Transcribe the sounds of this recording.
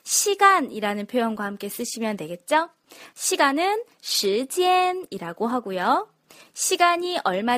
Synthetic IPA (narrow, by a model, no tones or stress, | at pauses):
ɕʰiɡaniɾanɯnpʰjojonɡwahamk͈e̞s͈ɯɕʰimjʌnːwe̞ɡe̞t̚t͡ɕ͈o | ɕʰiɡanɯn | ɕʰɯd͡ʑieniɾaɡoɦaɡojo | ɕʰiɡaɲiʔʌɭma